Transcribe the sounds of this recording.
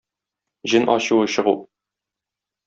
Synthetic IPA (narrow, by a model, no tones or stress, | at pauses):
ʑɘnʔɒɕuwɤɕɤ̆ʁu